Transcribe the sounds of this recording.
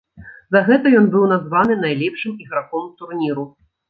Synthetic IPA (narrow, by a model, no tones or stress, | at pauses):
zɐɣɛt̪ɐjɔnbɨwnazvanɨn̪ajlʲɛpʂɨmiɣɾakɔmt̪urnʲiɾu